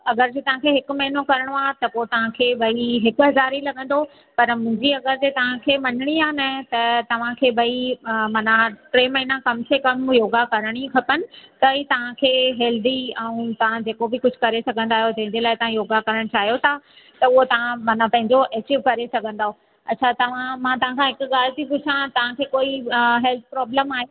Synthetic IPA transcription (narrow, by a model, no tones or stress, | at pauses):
ɐɡəɾd͡ʑeːt̪ɐʋ̤ãkʰeːɦɪkʊ̆mɐɦɪnokɐɾəɽ̃at̪ɐpot̪ɐʋ̤ãkʰeːbʱɐiɦɪkʊɦɐzaːɾilɐɡə̃nd̪o | pɐɾmʊ̃ɦɪ̃ɲd͡ʑiɐɡəɾd͡ʑeːt̪ɐʋ̤ãkʰeːmɐnɪɽ̃iaːnɐt̪ɐt̪ɐʋ̤ãkʰeːbʱɐimaːnaʈɾeːmɐɦinãkɐmsekɐmjoːɡakɐɾəɽ̃ikʰɐpənɪ̆t̪ɐit̪ɐʋ̤ãkʰeːɦeːld̪iɛ̃ũt̪ɐʋ̤ãd͡ʑeːkobɪkʊd͡ʑʱʊ̆kɐɾesɐɡʱə̃nd̪aːɦjod͡ʑɐ̃ɦɪ̃ɲd͡ʑelaːɪt̪ɐʋãjoːɡakɐɾəɽ̃t͡ɕaːɦijot̪ʰa | t̪ɐʊɦot̪ɐʋ̤ãmaːnapɐ̃ɦɪ̃ɲd͡ʑoʔeːk̚t͡ɕɪʋkɐɾesɐɡʱə̃nd̪aːɦo | ɐtːɕʰat̪ɐʋ̤ãmãːt̪ɐʋ̤ãkʰãɦɪkʊɠaːlt̪ikʊd͡ʑʰãt̪ɐʋ̤ãkʰeːkoːiɦɛlt̪̚ʰpɾɔːbləmaːɦe